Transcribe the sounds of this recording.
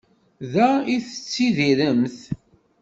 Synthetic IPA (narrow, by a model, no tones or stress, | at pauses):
ðæiθət͡sːiðiɾəmθ